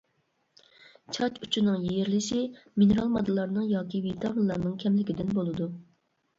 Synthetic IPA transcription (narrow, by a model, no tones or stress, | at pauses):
t͡ʃʰɑt͡ʃy̥t͡ʃʰinɨŋjijɾlɪʃɪminɨɾɑlˠmɑd̪ɨlˠɑɾnɨŋjɑːkʲivit̪ʰɑminlˠɑɾnɨŋkʲʰɛmlɪkʲid̪ɪnbolˠɨd̪u